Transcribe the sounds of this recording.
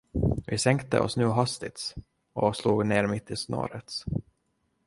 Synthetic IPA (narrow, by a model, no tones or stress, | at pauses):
vɪsɛŋkt̪ə̰ʔɔ̰snʉ̟ːɦast̪ɪt̪s | ɔsluːɡneːɾmɪt̪ʰːɪsno̰ːɾət̪s